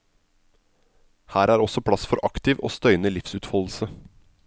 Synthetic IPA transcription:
hæːɾæːɾɔsɔpʰɽɑsfɔɾʔɑkt̪ɪʋo̰ːst̪œʏnəlɪfsʉːt̪fɑll̩sə

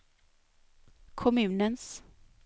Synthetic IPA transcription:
kʰɔmʉ̟ːnəns

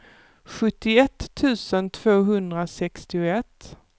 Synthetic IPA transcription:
ɧɵt̪ːɪɛt̪ʰːʉ̟ːsənt̪ʰv̥oːɦɵnd̪ɾasɛkst̪ɪʊɛt̪ː

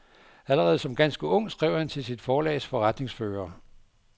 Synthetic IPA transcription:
æləʁɛːð̞̩ˠsɒ̽mɡ̥ænsɡ̥əɔ̽ŋ̰̥sɡ̥ʁɛʊ̰hænt͡sʰe̝lsid̥fɒːlɛ̰ːsfɒ̽ʁad̥ne̝ŋsføːɐː

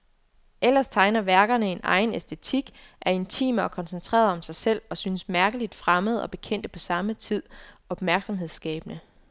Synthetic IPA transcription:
ʔel̰ɐst͡sʰɑ̈ɪnɐʋæɐɡ̥ɐnəe̝nɑ̈ɪnesd̥e̝t͡sʰiɡ̥ʔæɐe̝nt͡sʰḭːməɒ̽kʰɒ̽nsent͡sʰʁɛ̰ːɐðˠɒ̽msɑ̈ɪsel̰ɒ̽synəsmæɐɡ̥əlid̥fʁaməð̞̩ˠɒ̽b̥e̝kʰen̰d̥əpʰɒ̽sɑ̈mət͡sʰið̞̰ˠɒ̽b̥mæɐɡ̥sɒ̽mɦe̝ðˠsɡ̥ɛ̰ːb̥ənə

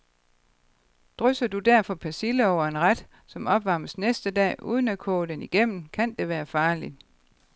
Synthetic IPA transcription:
d̥ʁœsɐd̥ud̥æɐ̰fɒ̽pʰæsiləɒʊɐe̝nʁad̥ | sɒ̽mɒ̽b̥ʋɑ̈məsnesd̥əd̥ɛ̰ːʔṵːð̞ˠn̩ækʰɔ̰̽ːd̥eniɡ̥em̰n̩kʰænd̥e̝ʋæːɐfɑ̈ːli

